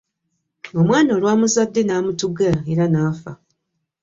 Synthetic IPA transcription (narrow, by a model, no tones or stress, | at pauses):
o̞mwaːno̞ːlwaːmuzadːe̞naːmutuɡaeɾanaːfa̰